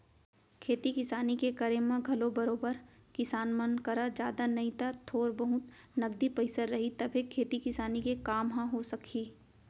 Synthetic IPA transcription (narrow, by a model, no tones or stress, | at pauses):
kʰeːt̪ikɪsaːnikekəɾemãɡʱɐlobɐɾoːbəɾkɪsaːnmɐnkɐɾad͡ʒjaːd̪anɐɦĩt̪at̪ʰoːɾbɐɦʊt̪ | nɐɡd̪ipɐɪsəɾːɐɦit̪ɐbʱɦekʰeːt̪ikɪsaːnikekaːmɦãɦosɐkʰiː